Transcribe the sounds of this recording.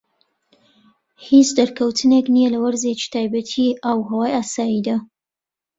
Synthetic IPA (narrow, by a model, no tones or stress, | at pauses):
hit͡ʃd̪ɐɾkʰɐwt̪ʰɨneknijelɐwɐɾzet͡ʃi̥t̪ʰaːjbɐt̪ʰiʔawɦɐwaːjaːsaːjid̪aː